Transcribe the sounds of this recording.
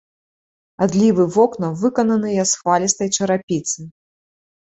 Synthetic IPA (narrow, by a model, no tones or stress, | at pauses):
ad̪lʲivɨvɔknɐvɨkɐnɐnɨjasxvalʲist̪ɐjt͡ʂɐɾapʲit̪sɨ